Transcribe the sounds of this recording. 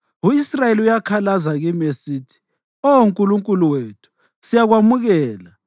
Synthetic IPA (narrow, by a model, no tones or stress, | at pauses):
uisrajeliujakʰalazaɣimesiːtʰi̥ | ouŋkʼuluŋkʼuluwetʰu̥ | sijaɣwamuɣɛːla